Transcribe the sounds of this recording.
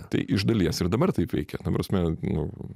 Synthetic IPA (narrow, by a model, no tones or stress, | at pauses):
t̪ɐ̰ɪʔɪʒd̪ɐlʲiɛsɪɾd̪ɐbɐrt̪ɐɪpʋʲɛ̰ɪkʲɛt̪ɐpɾɐsʲmʲɛnʊ